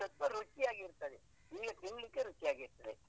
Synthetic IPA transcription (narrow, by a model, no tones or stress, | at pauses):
ɐt̪ʋɐɾut͡ʃijaːɡiɾt̪ɐd̪e | iːɡɐt̪iŋɡlikːeɾut͡ʃijaːɡiɾt̪ɐd̪e